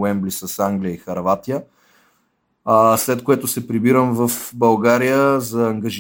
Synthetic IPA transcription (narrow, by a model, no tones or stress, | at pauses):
ɛmblisəsaŋɡlijəixɐɾvat̪ijə | slɛt̪koɛt̪ʊsɛpɾibiɾəmvɐfbɐlˠɡaɾijəzɐːŋɡɐʒ